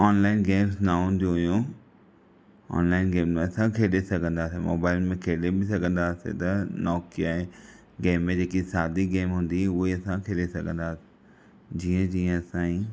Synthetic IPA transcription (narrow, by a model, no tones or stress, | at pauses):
ɔːnlaːɪnɡeːmsnaɦʊ̃nd̪ijũɦjũ | ɔ̰ːnlaːɪnɡeːmmẽɐsãkʰeːɗesɐɡʱə̃nd̪aːsemo̰ːbaːɪlmẽkʰeːɗebɪsɐɡʱə̃nd̪aːsḛt̪ɐnɔːkiaːɦe | ɡeːmːẽd͡ʑeːkisaːd̪iɡeːmɦʊ̃ːnd̪iʊiɐsãkʰeːɗesɐɡʱə̃nd̪aːse̥ | d͡ʑiːə̃d͡ʑiːə̃ɐsãːi